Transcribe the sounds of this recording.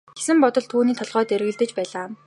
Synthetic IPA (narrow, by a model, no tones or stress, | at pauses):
ɡ̥esɘ̆mpɔt̪ɞ̆ɮt̪ʰuːniːt̪ʰɔɮʁœːt̪eɾɣɘ̆ɮt̪ɘ̆t͡ɕpæːɮaː